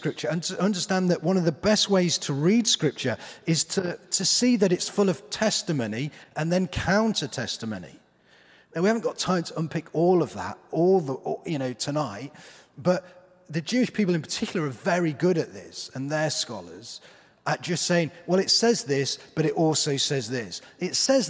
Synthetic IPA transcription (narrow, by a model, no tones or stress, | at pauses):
kɹ̥ɪp̚t͡ʃə̃˞nəʔʌ̃ndəstæ̃nðəʔwʌ̃nʌvðəbɛst̚weɪz̥tʰəɹid̥skɹɪp̚t͡ʃə˞ɪz̥tʰətʰɨsiðɨɾɪtsfʊlˠʌv̥tʰɛstəmõʊ̃niʔə̃nðɨ̃nkʰãʊ̃ntʰətʰɛstəmõʊ̃nḭ | awihavə̃nɡ̥ɒtʰãɪ̃mtʰəʌ̃npʰɪkʰɔlˠʌvðə̰tɔlˠðjɨnoʊtʰənaɪt̚ | b̥ʌt̪̚ | ðɨd͡ʒʉɪʃpʰiˑpl̩ˠɨ̃npʰə̥tʰɪkʰjl̩ˠə˞əvɛɹiɡʊɾɨʔ̪̚ðɪ̰sə̃nðə˞skɑ̰lˠə̰˞z̥ | ʔə̥d͡ʒ̥ʌstseɪɪ̃ŋwɛlˠɪtsɛzðɪsb̥ʌɾɨɾɔlˠsoʊsɛzðɪsɪtsɛz